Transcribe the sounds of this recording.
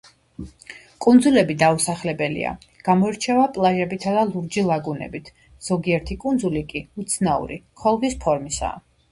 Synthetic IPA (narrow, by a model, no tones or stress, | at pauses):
kʼund̪zulɛbid̪ausaχlɛbɛlḭa̰ | ɡ̥amɔiɾt͡ʃʰɛvapʼlˠaʒɛbit̪ʰad̪alˠuɾd͡ʒilˠaɡunɛ̰bit̪ʰ | z̥ɔɡiɛɾt̪ʰikʼund̪zulikʼiut̪sʰnaṵɾḭkʰɔlˠvispʰɔɾmisa̰